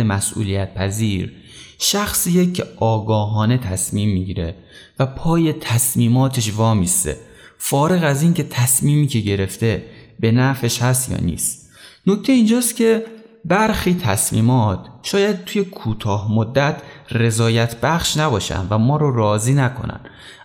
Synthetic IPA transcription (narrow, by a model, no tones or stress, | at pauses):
emæsʔṵːlijæt̪̚pʰæziːɾ | ʃæxsiːjecʰːe̞ʔɒːɡɒːɦɒːne̞t̪ʰæsmiːmːiɟiːɾe | væpʰɒːje̞t̪ʰæsmiːmɒːt̪ʰe̞ʃvɒːmist̪ḛ | fɒːɾe̞ɣæziːnce̞t̪ʰæsmiːmiːcʰe̞ɟe̞ɾe̞ft̪e̞be̞næfe̞ʃhæst̪jɒ̰ːnḭːst̪ | no̞ct̪ʰe̞ind͡ʒɒːst̪kʲʰe̞ | bæɾxiːt̪ʰæsmḭːmɒːt̪ʰʃɒːjæd̪̚t̪uje̞kʰuːt̪ʰɒːhmod̪ːæt̪ʰre̞zɒːjæt̪ʰbæχʃnæbɒːʃæ̰nvæmɒːɾoɾɒːziːnækʰo̞̰næ̰n